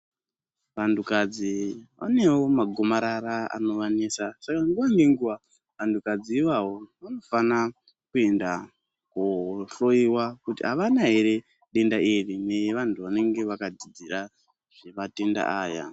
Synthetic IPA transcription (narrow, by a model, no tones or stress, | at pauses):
ʋantʰukad͡ziʋa̰ne̞wo̞maɡʱo̞maɾaɾaa̰no̞ʋaniːsasakaŋɡuʋaŋɡeŋɡuʋa | ʋantʰukad͡ziːʋawo̞ʋano̞fana | kue̞nda | koɬo̞iwakutḭɦaʋanaɦe̞ɾe̞ | ɗe̞ndairine̞jʋantʰuʋane̞ŋɡe̞ʋakad͡zid͡zira | ʐ̥eʋate̞nda̰ʔaːja̰